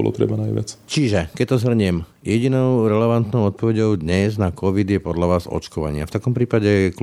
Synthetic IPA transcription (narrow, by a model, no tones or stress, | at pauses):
ɔlɔ̰t̪ɾɛ̰banajʋɪ̰a̰t͡st͡ʃiʒɛkɛc̚t̪ɔzɦr̩ɲɛm | jɛɟinɔʊɾɛlɛʋant̪nɔʊɔt̪̚pɔʋɛɟɔʊd̪ɲɛznakɔʋid̪jɛpɔd̪ʎaʋaːzɔ̰t͡ʃkɔʋa̰ɲɪa̰ft̪akɔmpɾiːpaɟɛk